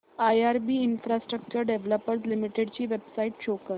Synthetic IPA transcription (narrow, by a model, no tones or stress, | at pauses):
ajaɾbiːinfɾasʈɾək̚t͡ɕəɾɖeʋləpəɾs̬limiʈeɽt͡ɕiːʋebsaiːʈɕokə